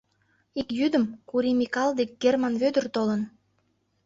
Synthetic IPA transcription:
ikjyd̪əmkuɾimikɑld̪ek̚ɡermɑnβød̪ə̆rt̪olən

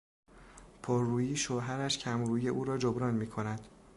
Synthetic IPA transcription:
pʰoːɾːuːjiːʃoɦæɾæʃcʰæmɾuːjeʔuːɾɒːd͡ʒobɾɒːnmiːkʰo̞næd̪̥

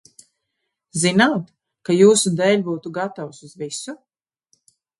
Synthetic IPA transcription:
zinaːt̪ | kajuːsud̪ɛːlʲbuːt̪uɡat̪awsuzvisu

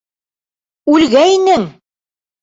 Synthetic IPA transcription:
ʉlɡæinɘŋ

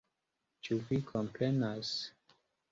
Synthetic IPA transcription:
t͡ʃuvikʰɔ̃mpʰɛnas

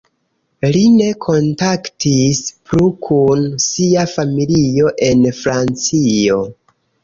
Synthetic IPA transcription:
line̞kʰo̞ntaktispɾukʰunsiafamilio̞ʔe̞nfɾant͡sio̞

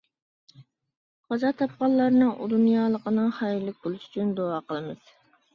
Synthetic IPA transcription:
χɑzɑt̪ʰɑp̚qɑlˠːɑɾnɨŋʔṵd̪unjɑːlˠəqənɨŋχɑjilːɪk̚ʲbʊlˠɪʃy̥t͡ʃʰynd̪oɑːqʰəlˠɨmɨz̥

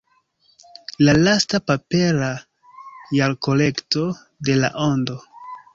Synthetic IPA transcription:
lalastapapeɾa | jalko̞le̞kto̞ | de̞la̰ʔo̞ndo̞

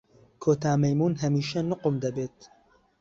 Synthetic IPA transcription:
kʰoːt̪aːmɐjmuːnɦɐmiːʃɐnʊqʊmd̪ɐbeːt̪

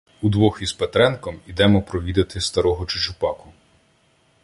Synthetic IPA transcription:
ud̪ʋɔxʲispet̪ɾɛnkɔmid̪ɛmɔpɾɔʋʲid̪ɪt̪ɪst̪ɐɾɔɦɔt͡ʃʊt͡ʃʊpɑkʊ

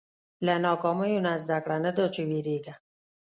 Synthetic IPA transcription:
lanɑkɔmajunazd̪akɽanad̪ot͡ʃewiɾeɡa

